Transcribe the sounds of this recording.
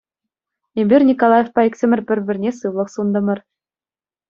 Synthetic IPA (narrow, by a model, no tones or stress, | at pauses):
embʲirʲnʲikolˠɑjefpɑekʲsʲɘ̆mʲɘ̆rʲbʲɘ̆rʲbʲɘ̆rʲnʲesɯʋlˠɤ̆χsund̪ɤ̆mɤ̆r